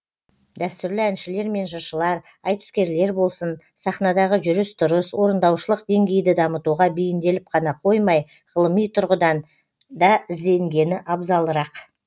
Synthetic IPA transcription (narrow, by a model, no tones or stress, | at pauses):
d̪æst̪ʏɾlɪænʃɪle̞ɾme̞nʒɑʃəlˠɑɾ | ɑjt̪ə̥skʲe̞ɾle̞ɾbo̞lˠsən | sɑχnɑd̪ɑʁəʒʏɾɪst̪ʊɾəswo̞ɾənd̪ɑwʃəlˠəqd̪e̞ŋɡʲe̞jd̪ɪd̪ɑmət̪uʁɑbejɪnd̪e̞lɪp̚qʰɑnɑqʰo̞jmɑj | ʁəlˠəmijt̪ʰʊɾʁəd̪ɑn | d̪ɑɪzd̪e̞ŋɡʲe̞nɪʔɑbzɑlˠəɾɑq